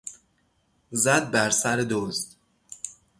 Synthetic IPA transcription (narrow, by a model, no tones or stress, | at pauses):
zæd̪̚bæɾsæɾed̪ozd̪̥